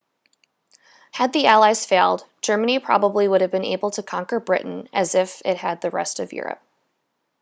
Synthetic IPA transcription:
hɨd̪̚ðiælˠaɪz̥feɪlˠd̥d͡ʒ̥ɜ˞mɨñipʰɹ̥ɑ̰bəbliwʊɾɨvbɨ̃nḛɪbl̩ˠtʰɨkʰɑ̃ŋkə˞bɹɪ̰ʔn̩ʔɨzɪfɪt̚hɨd̪̚ðɨɹɛ̰stʌvjʊ̰ɹɨ̰p̚

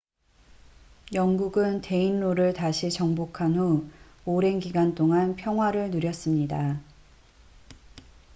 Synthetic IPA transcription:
jʌŋɡuɡɯnte̞inːoɾɯɭtaɕʰit͡ɕʌŋbokʰanɦo | oɾe̞nɡiɡant͈oŋanpʰjʌŋɦwaɾɯɭnuɾjʌs͈ɯmɲida

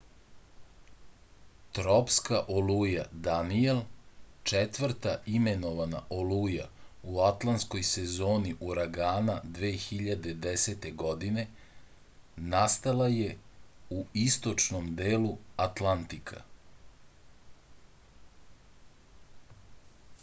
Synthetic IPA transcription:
t̪ɾopskaʔolujad̪anielt͡ʂet̪ʋr̩ɾt̪aimeno̞ʋana̰ʔoluja̰uat̪lˠant̪sko̞jsezo̞ːniʔuɾaɡaːnad̪ʋeːxiʎad̪e̞d̪eset̪e̞ɡo̞d̪ine̞ | nast̪alaje̞uist̪o̞t͡ʂnomd̪eːluat̪lant̪ikʰa̰

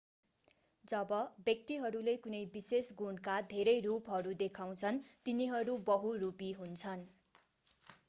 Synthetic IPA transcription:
d͡zʌbʌbjʌk̚t̪iɦʌɾulekunʌjbisesɡuɳkad̪ʱeɾʌjrupɦʌɾud̪ekʰaw̃t͡sʰʌnt̪iniɦʌɾubʌɦurupiɦunt͡sʰʌn

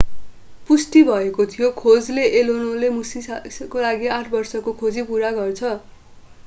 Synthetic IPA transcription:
pusʈibʱʌekot̪ʰijokʰod͡zleʔelonolemusiskolaɡiãʈʰbʌrsʌkokʰod͡zipuɾaɡʌrt͡sʰʌ

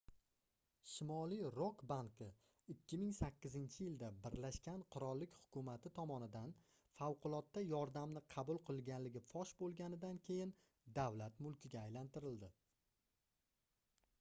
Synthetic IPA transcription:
ʃɪmɒlijɾokbaŋkɪ | ɪkʲʰːɪmɪŋsakʲːɪzɪnt͡ʃʰɪjɪld̪abɪɾlaʃkʲanqʰʊɾɒlˠːɪkʲhʊ̥kʰʲʊmat̪ʰɪt̪ʰɒmɒnɪd̪an | fawqʊlˠɒt̪ːajɒɾd̪amnɪqʰɑbʊlˠqʰɨlˠɡʲanlɪɡʲɪfɒʃbolˠɡʲanɪd̪ankʲʰe̞jɪn | d̪awlat̪mʊlˠkʲɪɡʲaːjlant̪ɪɾɪld̪ɪ

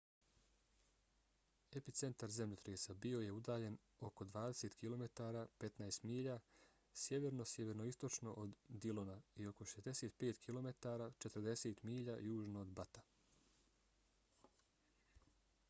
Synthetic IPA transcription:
epit̪se̞nt̪aɾze̞mʎot̪ɾeːsabio̞je̞ud̪aːʎe̞n | o̞ko̞d̪ʋaːd̪eset̪kʰilˠo̞me̞t̪aːɾaːpe̞t̪naest̪miːʎa | sje̞ʋeɾno̞sjeʋeɾno̞ist̪o̞t͡ʃno̞̰ʔod̪ːilonaio̞ko̞ʃezd̪e̞seːt̪pe̞ːt̪kʰilˠo̞me̞t̪aːɾaːt͡ʃe̞t̪əɾd̪e̞seːt̪miːʎajuːʒnoːd̪bat̪ḁ

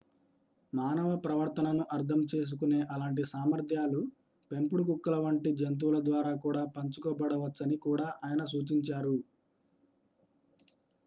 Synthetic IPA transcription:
maːnɐʋɐpɾɐʋɐɾt̪ɐnɐnuʔɐɾt̪ʰɐmt͡ʃe̞ːs̬ukune̞ːʔɐlaːɳʈ̬isaːmɐɾt̪ʰjaːlu | pe̞mpuɽukukːɐlɐʋɐɳʈid͡ʒɐnt̪̬uʋlɐd̪ʋaːɾaːkuːɽaːpɐɲt͡ʃukɔːbɐɽɐʋɐt͡ʃt͡sːɐnikuːɽaːʔaːjɐnɐs̬uːt͡ʃiɲt͡ʃaːɾu

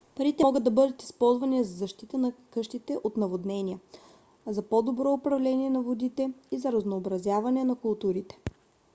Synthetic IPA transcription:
pɐɾit̪ɛɔɡəd̪ɐbɤd̪ət̪i̥spɔlˠzvɐnizɐzɐʃt̪it̪ənɐkɤʃt̪it̪ɛʔot̪nɐvod̪nɛniə | zɐpod̪obɾɔʊpɾɐvlɛniɛnɐvod̪it̪ɛizɐɾɐznoːbɾɐzʲjavɐnɛnɐkʊlˠt̪uɾit̪ɛ̥

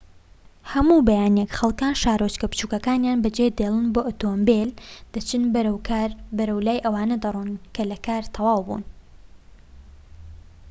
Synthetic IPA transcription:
hɐmuːbɐjaːnjekxɐlˠkaːnʃaːɾot͡ʃkɐpt͡ʃuːkɐkaːnjaːnbɐd͡ʒed̪eːlˠɨnboːʔot̪ombeld̪̥ɐt͡ʃɨn | bɐɾɐwlaːjʔɐwaːnɐd̪ɨruːnkʰɐlɐkʰaːɾt̪ʰɐwaːwbṵn

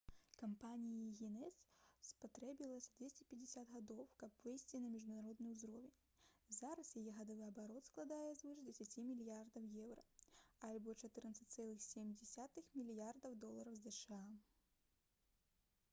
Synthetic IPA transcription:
kampanʲijiɣʲinɛsspat̪ɾɛbʲilˠɐsʲɐd̪vʲesʲt͡sʲɛpʲɛd͡zʲɪsʲad̪ɣad̪ɔwkɐpvɨjsʲt͡sʲinɐmʲiʐd̪unaɾɔd̪nɨjuzɾɔvʲɛnʲ | zaɾɐsjajɛɣɐd̪ɔvɨɐbaɾɔt̪sklˠad̪ajɛzvɨʂdʲɛsʲat͡sʲimʲilʲjard̪ɐwjɛwrɐalʲbɔt͡ʂat̪ɨrnɐt̪sɨ̥tʲt̪sɛlˠɨxsʲemʲd͡zʲɛsʲat̪ɨxmʲilʲjard̪ɐwd̪ɔlˠɐɾɐwzɛʂɨa

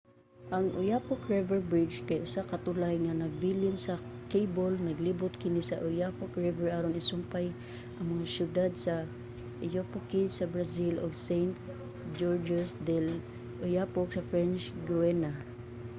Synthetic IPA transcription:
ʔɐŋʔʊ̰japʊkɹɛvɛɹbɹɪd͡ʒkajʔʊsakɐt̪ʊlajŋanɐɡ̚biːlɪnsɐkejbolnɐɡlibʊt̪̚kɪnɪsaʔʊjapokɹɛvɛɹʔaɾonɪsʊmpaj | ʔɐŋmɐŋasjʊd̪ad̪̚sɐ | ʔɪjopʊkɪsɐbɹasɪlʔoɡsejnt̪ | d͡ʒoɹd͡ʒʊsd̪ɛl | ʔʊjapoksɐfɹɛnt͡ʃɡuwɛna

